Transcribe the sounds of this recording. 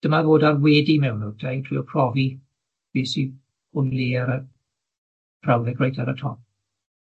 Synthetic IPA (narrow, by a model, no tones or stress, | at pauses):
d̥əmavoːdarwɛːdimɛwnutʰajtʰrḭːɔpʰr̥ɔvi | b̥iːsi | hʊniaɾə | b̥rawðɛɡrejtaɾətʰrɔp